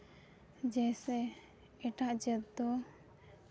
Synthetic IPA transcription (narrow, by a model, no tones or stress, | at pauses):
d͡ʒɛsɛ | ɛʈaʔd͡ʒət̪̚d̪ɔ